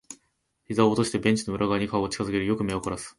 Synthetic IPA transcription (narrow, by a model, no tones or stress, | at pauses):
çizaoːt̪o̞ɕi̥t̪e̞bẽ̞ɲ̟t͡ɕi̥no̞ɯ̟ɾʔaɡaɲ̟ikaoot͡ɕi̥kazɨke̞ɾɯ̟jo̞kɯ̟me̞okoɾasɨ̥